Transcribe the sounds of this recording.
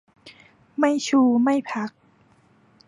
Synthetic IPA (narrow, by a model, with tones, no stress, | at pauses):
ma˥˩jt͡ɕʰuː˧ma˥˩jpʰa˦˥k̚